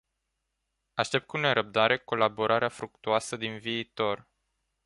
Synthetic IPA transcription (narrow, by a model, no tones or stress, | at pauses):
aʃt̪e̞p̚t̪̚kuneɾəp̚d̪aɾe̞ko̞laboɾʔaɾeafɾuk̚t̪uasəd̪inviːt̪o̞r